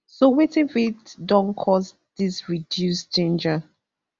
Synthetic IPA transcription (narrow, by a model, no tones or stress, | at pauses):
sowetĩnfitdɔ̃nkʰɔz | d̥isɹidjusd͡ʒẽnd͡ʒa